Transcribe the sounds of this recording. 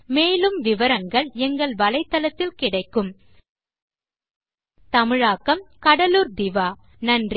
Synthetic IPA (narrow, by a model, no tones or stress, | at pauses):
meːlɯmʋɪʋɐɾɐŋɡɐɭɛŋɡɐɭʋɐlɐɪt̪ːɐlɐt̪ːɪlkɪɽɐɪkːɯm | t̪ɐmɪɻaːkːɐmkɐɽɐluːɾd̪ɪʋaː | nɐndr